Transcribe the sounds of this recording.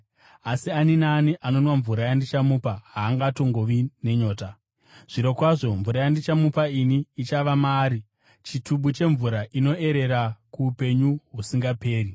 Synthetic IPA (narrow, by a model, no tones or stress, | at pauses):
asianinaːniʔano̞nwaɱvuɾajandit͡ʃamuːpaɦaːŋɡatoŋɡo̞ʋine̞ɲo̞ːta | ʐ̥iɾo̞kwaʐo̞ɱvuɾajandit͡ʃamupainiːt͡ʃaʋamaːɾi | t͡ʃituɓut͡ʃe̞ɱvuɾaʔino̞e̞ɾe̞ɾakuːpe̞ɲuɦusiŋɡape̞ːri